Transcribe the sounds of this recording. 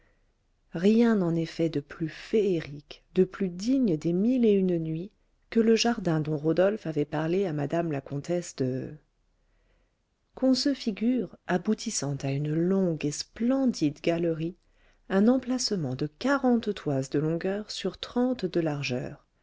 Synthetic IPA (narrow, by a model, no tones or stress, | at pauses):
ʁjɛ̃nɑ̃nefɛd̪əplyfeeʁikd̪əplyd̪iɲd̪emileynnɥi | kələʒaʁd̪ɛ̃d̪ɔ̃ʁod̪ɔlfavɛpaʁleamad̪amlakɔ̃t̪ɛsd̪ə | kʰɔ̃səfiɡʲyʁabut̪ʰisɑ̃t̪aynlɔ̃ɡesplɑ̃d̪id̪ɡalʁi | ɛ̃nɑ̃plasəmɑ̃d̪əkaʁɑ̃t̪t̪wazd̪əlɔ̃ɡœʁsyʁt̪χɑ̃t̪d̪əlaʁʒœ̰ːʁ